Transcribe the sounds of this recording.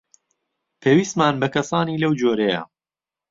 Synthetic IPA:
pʰeːwist̪maːnbɐkʰɐsaːniːlɐwd͡ʒoːɾejɐ̰

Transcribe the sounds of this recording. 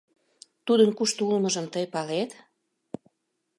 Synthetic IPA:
t̪ud̪ənkuʃt̪oulmə̆ʒə̆mt̪əjpɑlet̪

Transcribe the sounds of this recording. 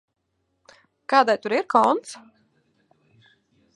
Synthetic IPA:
kaːd̪ajt̪uɾiɾkɔnt̪s

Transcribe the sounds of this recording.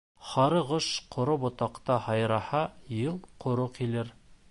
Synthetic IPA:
χɑɾɤʁoʃqʰŏɾobŏt̪ɑqt̪ɑhɑjɾɑhɑjɤlˠqʰŏɾoqilɘɾ

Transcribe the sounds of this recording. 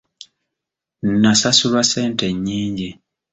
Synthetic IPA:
nnasasulwase̞ːnte̞ɲːiːɲɟi

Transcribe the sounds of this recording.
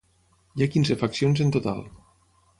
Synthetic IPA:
jiakinzefaksionzent̪ot̪a̰lˠ

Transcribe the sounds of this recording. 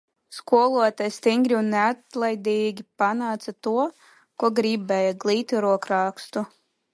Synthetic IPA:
skuɔlˠuɔt̪ajst̪ʲiŋɡɾiunːeat̪lˠajd̪ʲɛiːɡʲipanaːt̪sat̪uɔ | kuɔɡɾibɛjaɡlʲˠiːt̪ʲiɾuɔkɾaːkst̪u

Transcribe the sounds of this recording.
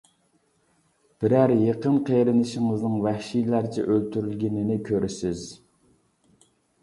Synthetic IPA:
b̥ɪɾæɾjeqənqʰeɾɪnɪʃɪŋɨznɨŋvæhʃijlæɾt͡ʃʰɛ̰ʔølt̪ʰyɾylɡʲɪnɪnɪkʲʰøɾɪsɪz

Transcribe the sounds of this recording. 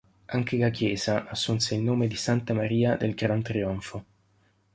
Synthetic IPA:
aŋkelak̟jɛːzaʔasːunseilnoːmed̪isant̪amaɾiːad̪elɡɾant̪ɾiɔɱfo

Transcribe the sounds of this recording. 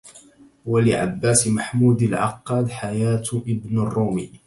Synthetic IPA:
walɪʕa̰bːaːsmaħmuːd̪alʕɑ̰qːɑːd̪ħajaːt̪ʔɪbnarˤːuːmḭː

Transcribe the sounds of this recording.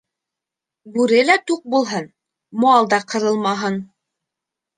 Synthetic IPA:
bʉɾɘlæt̪uq̚bulˠɦɤn | moɑlˠd̪ɑqɤ̆ɾɤlˠmɑɦɤn

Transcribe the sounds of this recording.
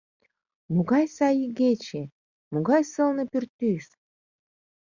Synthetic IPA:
muɣɑjsɑjiɡet͡ɕe | muɣɑjsɤ̆lnɤ̆pyrt̪ːyʃ

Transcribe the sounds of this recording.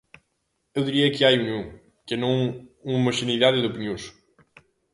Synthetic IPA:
ewðiɾiɐkɨajuniũ | kɛnɐ̃w̃ũmɐʃeniðaðɪðopinjõʃ

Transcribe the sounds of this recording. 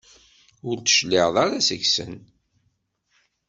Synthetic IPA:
ʊɾt̪ə̥ʃlɪʁðˤaɾasəçsə̰n

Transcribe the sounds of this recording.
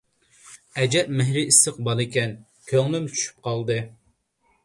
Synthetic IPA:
ɛd͡ʒɛʔmɪɦɾɪisːɨq̚bɑlˠɪkʲɛn | kʲʰøŋlymt͡ʃʰy̥ʃy̥p̚qʰɑlˠd̪ɨ

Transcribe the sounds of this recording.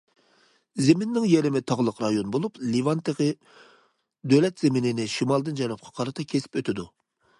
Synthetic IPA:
zemɪnːɪŋjeɾɪmɪt̪ʰɑʁlˠəqɾɑjonbolˠuplivɑnt̪ʰeʁɨ | d̪øwlɛt̪zemɪnɪnɪʃimɑlˠd̪ɨnd͡ʒɛnɨp̚qʰɑ̥qʰɑɾɨt̪ʰɑkʲʰesɪ̥pøt̪ʰɪd̪u

